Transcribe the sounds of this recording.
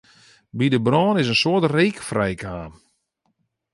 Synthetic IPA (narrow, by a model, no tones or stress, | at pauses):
bidəbrɔːnɪsənsʊətreːkfrɛjkaːm